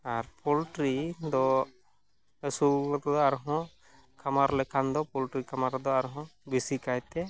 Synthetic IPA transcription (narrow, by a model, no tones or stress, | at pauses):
aɾpɔlʈɾid̪ɔ | ɛsuɔt̪ɔd̪ɔaɾɦɔ̃ | kʰamaɾlɛkʰand̪ɔpɔlʈɾikamaɾd̪ɔaɾɦɔ̃bisikajt̪ɛ